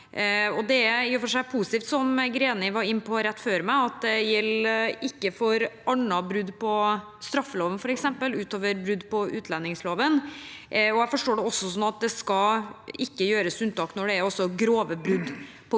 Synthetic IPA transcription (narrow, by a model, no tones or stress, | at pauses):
ɔd̪ɛæɪfɔʂæɪpʰuːsɪ̥t̪iːft̪sɔmɡɾeːnɪʋɑɾɪnːpʰɔɾɛt̪ːføːɾmæɪɑt̪̚d̪ɛjɛlːɪkːəfɔɾɑɳɑbɾʉd̪ːpʰɔ | st̪ɾɑfːəloːʋənfɔɾɛksɛmpəlʉːt̪oːʋəɾbɾʉd̪ːpɔʔʉːt̪ʰlɛnːɪŋsloːʋən | ɔjæfɔʂʈoːɖɛɔsːɔsɔnɑt̪̚d̪ɛskɑɪkːəjøːɾəsʉnt̪ɑːknɔɖɛæɾɔsːɔɡɾoːʋəbɾʉd̪ː | pʰɔ